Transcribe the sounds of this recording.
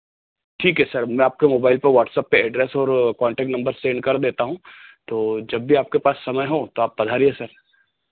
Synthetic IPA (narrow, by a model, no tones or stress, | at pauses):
ʈʰiːkɦɛsɐɾmɛ̃ːaːp̚kemoːbaːɪlpɐɾʋɔːʈsəpːeɛːɖɾɛːsɔːɾkɔ̃ːɳʈɛːk̚ʈnɐ̃mbəɾsẽːɳɖkɐɾd̪eːt̪aɦũt̪oːd͡ʒɐbːʱiaːp̚kepaːsːɐməjɦot̪oaːp̚bɐd̪ʱaːɾiesɐɾ